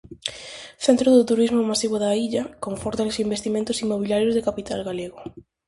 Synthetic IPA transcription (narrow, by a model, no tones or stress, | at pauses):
θent̪ɾʊðʊt̪uɾizmʊmasiβʊðaiʎɐkoɱfɔɾt̪alosimbest̪imẽnt̪ʊsimːoβ̞iljaɾjozðekapit̪alɣaleɣʊ